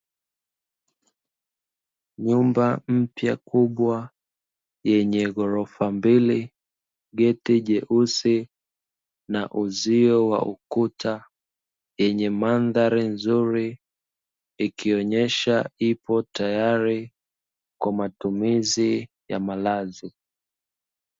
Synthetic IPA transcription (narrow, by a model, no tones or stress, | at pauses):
ɲumbam̩pjakuɓwa | jɛɲɛɣɔɾɔfambili | ɠɛtiʄɛʔusi | naʔuziɔwa̰ukutʰa | jɛɲɛmanðaɾinzuɾi | ikʰiɔɲɛʃaipɔtajaɾi | kwamatumizi | ja̰malazi